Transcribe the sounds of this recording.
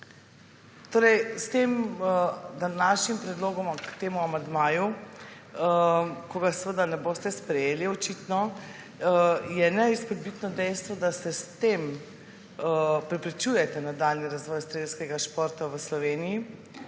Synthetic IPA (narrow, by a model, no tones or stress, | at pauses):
t̪oːɾɛjst̪em | d̪anaʃnimpɾɛd̪loːɡɔmkt̪eːmuamand̪maːju | koɡasʋəd̪anɛboːst̪ɛspɾɛjeːliɔt͡ʃit̪nɔ | jɛnɛispɔd̪̚bit̪nɔd̪ɛjst̪ʋɔd̪asɛst̪em | pɾɛpɾit͡ʃujɛt̪ɛnad̪alniɾazʋɔːjst̪ɾeːskɛɡaʃpɔɾt̪aʋəslɔʋeːniji